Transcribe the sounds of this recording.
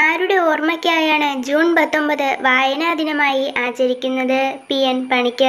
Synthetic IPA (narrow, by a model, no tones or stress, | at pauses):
aːɾuɽe̞oːrmɐkʲːaːjaːɳɨd͡ʑuːnpɐt̪ːo̞mbɐðɨʋaːjɐnad̪ʱinɐmaːjiʔaːt͡ɕːɐɾikʲːunːɐðɨpijenpɐɳikʲːɨ